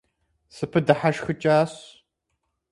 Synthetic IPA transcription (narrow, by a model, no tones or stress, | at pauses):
sɨpʰɨdɐħaʃxɨt͡ʃʼaːɕ